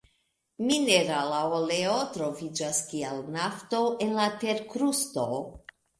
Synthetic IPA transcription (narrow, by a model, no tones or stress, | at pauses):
mineɾalaoleo̞tɾo̞vid͡ʒaskialnafto̞e̞nlate̞ɾkɾusto̞